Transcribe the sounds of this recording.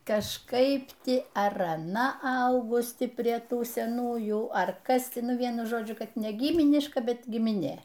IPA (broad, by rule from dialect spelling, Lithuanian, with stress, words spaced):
kɐʃˈkɐɪp ˈtʲɪ ɐr ɐˈnɐ ˈɐʊɡʊs ˈtʲɪ pʲrʲiɛ ˈtuː sʲɛˈnuːjuː ˈɐr ˈkɐs tʲɪ ˈnʊ ˈʋʲiɛnʊ ˈʒoːd͡ʒʲʊ ˈkɐt nʲɛ ˈɡʲiːmʲɪnʲɪʃkɐ ˈbʲɛt ɡʲɪmʲɪˈnʲeː